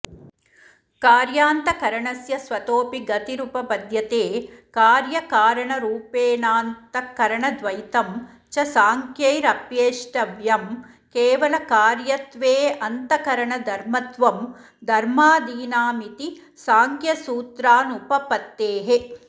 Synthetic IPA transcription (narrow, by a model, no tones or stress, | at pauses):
kaːɾjaːnt̪ɐkɐɾɐɳɐsjɐsʋɐt̪oːpiɡɐt̪iɾupɐpɐd̪ʱjɐt̪eːkaːɾjɐkaːɾɐɳɐɾuːpeːnaːnt̪ɐkɐɾɐɳɐd̪ʋɐjt̪ɐm | t͡ʃɐsaːŋkjɐjɾɐpjeːʂʈɐʋjɐm | keːʋɐlɐkaːɾjɐt̪ʋeːɐnt̪ɐkɐɾɐɳɐd̪ʱɐɾmɐt̪ʋɐm | d̪ʱɐɾmaːd̪iːnaːmit̪i | saːŋkjɐsuːt̪ɾaːnupɐpɐt̪ːeːɦe